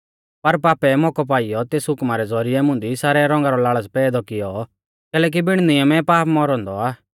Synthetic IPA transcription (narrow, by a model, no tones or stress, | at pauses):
pɐɾpaːpɛmɔkɔp̬aːɪjɔt̪eːsɦʊkmaɾɛd͡zɔɾɪɛmʊ̃nd̪isaːɾɛɾɔ̃ŋɡaɾɔlaːɭəspɛːd̪ɔkɪjɔ | kɛːlɛːk̬ibɪɽ̃nɪjəmɛpaːpmɔɾɔ̃ːnd̪ɔaː